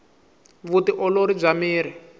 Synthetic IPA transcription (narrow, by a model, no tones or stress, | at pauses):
βutiʔɔloɾib͡ʐamiːɾi